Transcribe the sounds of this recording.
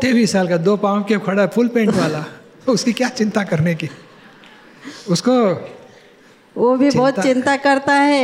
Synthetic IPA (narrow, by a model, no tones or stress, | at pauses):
t̪eːʋiːsaːlkad̪oːpãːkekʰɐɽapʰʊlpẽːɳʈʋaːla | ʊskikjaːt͡ʃɪ̃nt̪akɐɾneki | ʊsko | ʋobʱibɔːt̪t͡ʃɪ̃nt̪akɐɾt̪aɦɛ